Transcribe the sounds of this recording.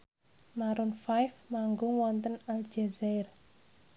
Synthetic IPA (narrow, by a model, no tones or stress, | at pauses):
maɾunfajfmaŋɡʊŋwɔnt̪ənald͡ʒɛzɛɪr